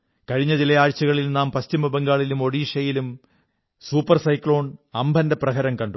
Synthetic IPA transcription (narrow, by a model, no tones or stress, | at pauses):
kɐɻiɲːɐðilɐjaːɻt͡ɕːuɣɐɭilnaːmpɐstimɐbeŋɡaːɭilumo̞ɽiːʂɐjilum | suːpːɐrsɐjkɭoːɳɐmbʱɐndeprɐɣɐɾɐmkɐɳɖu